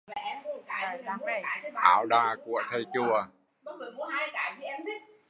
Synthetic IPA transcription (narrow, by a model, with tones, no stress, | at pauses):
a˨˩ʔɛ˧m˦˨˩kaː˨˩˧ʔaː˨˩˦wɗaː˧ku˧˩ət̪ʰə˧jt͡ɕu˧˩ə | ɓɔ˨˦mə˨˩mu˨˦haː˧jkaː˨˩jvi˨˦ʔɛ˧mt̪ʰi˦˥t̚